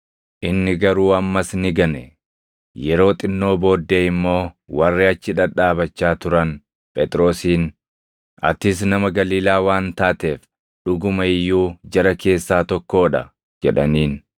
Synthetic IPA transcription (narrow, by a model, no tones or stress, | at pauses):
ʔɪnːɪɡɐɾuːɐmːɐsnɪɡɐnɛ | jɛɾo̞ːt̪ʼɪnːo̞ːbo̞ːd̪ːeːɪmːo̞ː | wɐrːɪɐt͡ʃːɪᶑɐᶑaːbɐt͡ʃːaːt̪ʊɾɐn | pʼɛt̪ʼɾo̞ːsiːn | ɐ̰t̪ɪs̬nɐmɐɡɐliːlaːwaːnt̪aːt̪e̞ːf | ɗʊɡʊmɐɪjːuːd͡ʒɐɾɐke̞ːsːaːt̪ɔkːo̞ːᶑɐ̰ | d͡ʒɛᶑɐniːn